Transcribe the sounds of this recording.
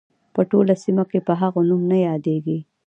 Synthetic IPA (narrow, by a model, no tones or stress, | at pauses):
pəʈolasimakepəɦaɣonumnajɑd̪eɡi